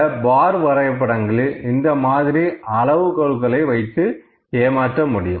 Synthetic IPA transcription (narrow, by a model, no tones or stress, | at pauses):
baːɾʋɐɾɐɪɐp̬ːɐɽɐŋɡɐɭɯɪnd̪ɐmaːðɪɾiɐlɐʋɯkɔɻɯkːɐɭɐɪʋɐɪt̪ːɯ | eːmaːʈrɐmʊɽɪjɯ̰